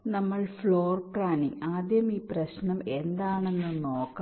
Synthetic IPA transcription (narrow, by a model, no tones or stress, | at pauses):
nɐmːɐɭfɭoːrpraːniŋaːd̪jɐmiːprɐɕnɐmend̪aːɳe̞nːunoːkː